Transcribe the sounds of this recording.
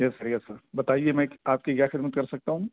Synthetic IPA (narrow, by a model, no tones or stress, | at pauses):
jɛsɐɾjɛsɐɾbɐt̪aːiemɛ̃aːp̚kikjaːxɪd̪mət̪̚kɐɾsɐk̚t̪aɦũː